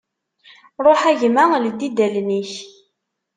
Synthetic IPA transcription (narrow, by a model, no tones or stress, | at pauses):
ɾˤoħæʝmæld̪id̪ælniç